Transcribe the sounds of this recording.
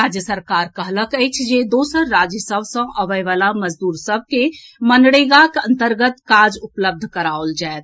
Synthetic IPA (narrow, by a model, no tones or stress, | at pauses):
ɾad͡ʒjəsəɾkaːɾkəɦləkəjt͡ʃʰd͡ʒed̪oːsəɾːad͡ʒjəsəbsə̃ʔəʋəjʋalaməd͡ʒd̪uːɾsəb̚ʱkemənɽeɡakə̃nt̪əɾɡət̪kaɾd͡ʒʊpləb̚d̪ʱkəɾaold͡ʒaet̪